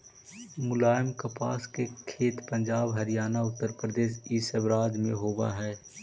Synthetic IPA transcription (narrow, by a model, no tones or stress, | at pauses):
mʊlaːjəmkəpa̰ːskekʰeːt̪pə̃nd͡ʒaːbɦɐɾijaːnaʊt̪ːəɾpɾəd̪eːʃisəbɾaːd̪mḛ̃ɦoːba̰ɦɛː